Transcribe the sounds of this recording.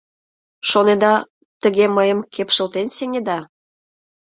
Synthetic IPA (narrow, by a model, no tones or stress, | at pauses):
ʃoned̪ɑ | t̪əɣeməjəmkʰepʃə̆lt̪enseŋʲed̪ɑ